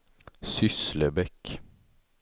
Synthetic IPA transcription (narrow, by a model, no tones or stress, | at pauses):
sʏsləbɛk